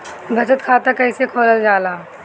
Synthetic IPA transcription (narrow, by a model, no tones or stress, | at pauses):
bʱɐt͡ʃət̪kʰaːt̪ɐkɐɪsekʰoːləld͡ʒaːlaː